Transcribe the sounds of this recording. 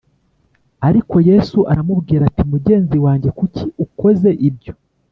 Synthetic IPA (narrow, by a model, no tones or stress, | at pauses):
aɾiko̞je̞suʔaɾamubɡiːɾatimuɟe̞ːnziwaːɲɟe̞kuciuko̞ze̞ʔib̚ɟo̞